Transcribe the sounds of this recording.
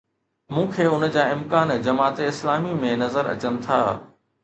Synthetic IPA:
mũːkʰeːʊnəd͡ʑaːɪmkaːnd͡ʑɐmaːt̪eɪslaːmimẽnɐzəɾɐ̰t͡ɕənɪ̆t̪ʰa̰ː

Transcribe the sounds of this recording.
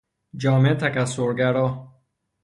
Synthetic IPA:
d͡ʒɒːmet̪ʰækæsoɾɡæɾɔː

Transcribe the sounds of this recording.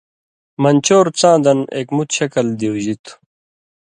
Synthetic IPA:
mɐnt͡ɕoːɾt͡sãːd̪ɐneːkmut̪ɕɐkɐld̪iwʑit̪ʰ

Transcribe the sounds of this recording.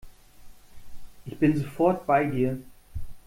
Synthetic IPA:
ʔɪçb̥ɪnzofɔɐtb̥aɪdiːɐ

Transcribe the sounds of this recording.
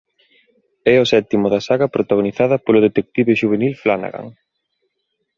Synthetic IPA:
ɛʊsɛt̪imʊðɐsaɣɐpɾot̪aɣoniθað̞ɐpolʊðet̪ek̚t̪iβeʃuβ̞enilflana̰ɣa̰ŋ

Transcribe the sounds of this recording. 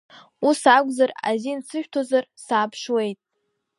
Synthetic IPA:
usaɡʷʼzara̰zint͡sʰɨʃᶣtʰozarsaːpʰʂwe̞jtʼ

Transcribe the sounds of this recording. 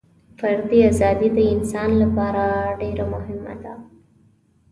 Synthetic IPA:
faɾd̪iazɑd̪id̪əɪnsɑnlapɑɾaɖeɾamʊhɪma̰d̪a

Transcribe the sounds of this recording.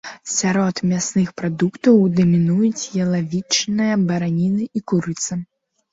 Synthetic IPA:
sʲaɾɔt̪mʲasnɨxpɾad̪ukt̪ɐwd̪ɐmʲinujut͡sʲjɐlˠavʲit͡ʂnɨjɐbɐɾanʲinɨikuɾɨt̪sɐ

